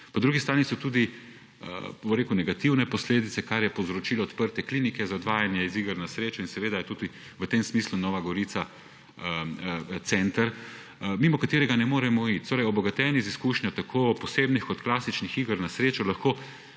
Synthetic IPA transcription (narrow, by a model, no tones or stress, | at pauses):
pɔd̪ɾuɡist̪ɾaːnisɔt̪uːd̪ḭ | boɾeːkunɛɡat̪iwnɛpɔsleːd̪it̪sɛkaɾjɛpowzɾɔt͡ʃiːlɔːt̪pəɾt̪ɛklinikɛzaɔd̪ʋaːjanjɛiziɡəɾnasɾeːt͡ʃɔinsɛʋeːd̪ajɛt̪ud̪i | ʋət̪emsmislunɔʋaɡɔɾit̪sa | t̪sɛnt̪əɾ | mimɔkat̪eːɾɛɡanɛmoːɾɛmɔit̪t̪oːɾɛjɔbɔɡat̪ɛːniziskuːʃnʲjɔt̪akʰoːpɔseːbnixkɔt̪klaːsit͡ʃnixiɡəɾnasɾeːt͡ʃɔlaxkoː